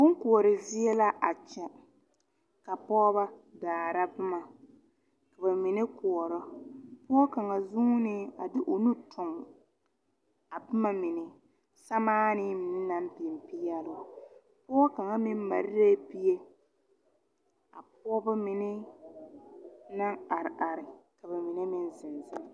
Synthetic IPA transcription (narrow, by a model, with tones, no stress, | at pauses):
bʊ˦ŋ˦kʊ˨ɔ˨ɾɪ˨zɪ˦ɛ˦la˦ʔa˨t͡ʃɛ˨ | ka˨pɔː˦ba˦daː˨ɾa˦bʊ˦ma˨ | ka˨ba˨mɪ˨nɪ˦kʊ˨ɔ˨ɾɔ˦pʊ˦ɔ˦ka˨ŋa˨zu˦ŋ˦nɪ˦a˨dɪ˦ʔo˨nu˦tʰʊ˨m˨ | a˨bʊ˦ma˦mɪ˨nɪ˨ | sa˦maː˦nɪ˦mɪ˨nɪ˦na˦m˦pɪ˨m˨pi˦jɛ˦lʊ˦˨ | pʊ˦ɔ˦ka˨ŋa˦mɪ˦m˦ma˨ɾɪ˦ɾe˦bi˦je˦ | a˨p̚ɔː˦bʊ˦mɪ˨nɪ˦ | na˦ŋa˨ɾɪ˨ʔa˨ɾɪ˨ka˨bɛ˨mɪ˨nɪ˦mɪ˦n˦zɪ˨nzɪ˦m˨